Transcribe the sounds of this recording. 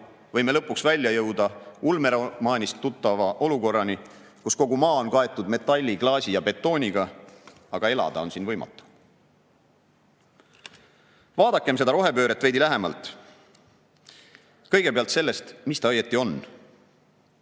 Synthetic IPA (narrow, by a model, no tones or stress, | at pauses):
vɤ̞jme̞lɤpːˑuksvælʲjɑjɤwd̪ɑulme̞ɾemɑːnʲist̪ːut̪ːˑɑvɑʔo̞luko̞rːɑni | kusko̞ɡumɑːo̞nkɑe̞t̪ːˑud̪me̞t̪ːˑɑlʲːiɡlɑːsijɑbe̞t̪ːˑo̞ːnʲiɡ̥ɑ | ɑɡ̥ɑe̞lɑ̰d̪̥ɑo̞nsiːnvɤjmɑ̰t̪ːˑu̥ | vɑːd̪̥ɑkːˑe̞mse̞d̪̥ɑɾo̞ɦe̞pøːɾet̪ːˑve̞jd̪ilæɦe̞mɑ̰lt̪ˑ | kɤ̞jɡ̥e̞pe̞ɑlt̪se̞lːe̞st̪mist̪ɑɑjet̪ːˑio̞nː